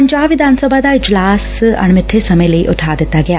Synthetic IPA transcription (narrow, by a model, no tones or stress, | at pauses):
əɲd͡ʒaːbʋɪd̪ʱaːnsəbʱaːd̪aːɪd͡ʒlaːsɐ̰ɳ̃mɪt̪ʰːesɐmẽləḭʔʊ̰ʈʰaːd̪ɪt̪ːaːɡɪjaː